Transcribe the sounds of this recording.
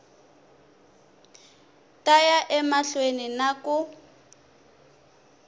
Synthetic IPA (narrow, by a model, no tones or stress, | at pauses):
tʼajaʔɛmaɬweninakʊ